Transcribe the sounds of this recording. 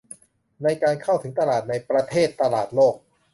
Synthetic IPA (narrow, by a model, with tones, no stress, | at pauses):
na˧jkaː˧nkʰa˥˩wt̪ʰɯ˩˦ŋt̪a˧laː˨˩t̪̚na˧jpɾa˧t̪ʰeː˥˩t̪ːa˧laː˨˩t̪̚loː˥˩k̚